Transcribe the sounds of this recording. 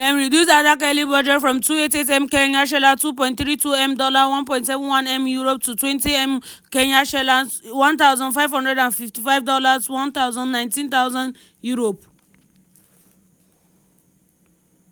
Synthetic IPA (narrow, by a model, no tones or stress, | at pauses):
ɛ̃nɹidjus̬adakɛlibɔd͡ʒɛtfɹɔ̃mtuetetɛ̃mkɛ̃naʃ̬ɛlatup̬ɔ̃ɪ̃nt̪θɹituɛ̃mdɔlawɔ̃npɔ̃ɪ̃ntsɛvɔ̃nwãnɛ̃mjuɹop̚tutwɛ̃ntiɛ̃m | kɛ̃naʃɛlawɔ̃nt̪aʊzɔ̃ndfaɪvhɔ̃ndɹɛdãnfiftifaɪvdɔlaswɔ̃nt̪aʊzɔ̃nːnãɪ̃ntĩnt̪aʊzãn | juɹop̚